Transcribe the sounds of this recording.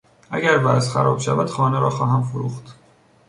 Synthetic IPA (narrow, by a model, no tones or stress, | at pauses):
ʔæɡæɾvæːzxæ̰ɾɒ̰ːb̥ʃævæd̪̥xɒːneɾɒːxɒːɦæmfoɾuːxt̪